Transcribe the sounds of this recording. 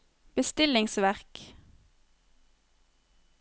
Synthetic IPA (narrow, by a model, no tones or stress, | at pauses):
b̥əst̪ɪlɪŋsʋæʁk